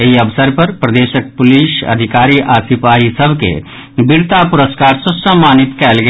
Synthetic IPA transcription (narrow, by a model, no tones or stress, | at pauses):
ɦiɐʋsəɾpɐɾpɾɐd̪eːʃək̚pʊliːʃɐ̰d̪ʱɪkaːɾiːʔaːsɪpaːɦisɐbʱkḛ | bɪɾt̪apʊɾəskaːɾsʊssə̃mːaːnɪt̪kɛːlɡɐ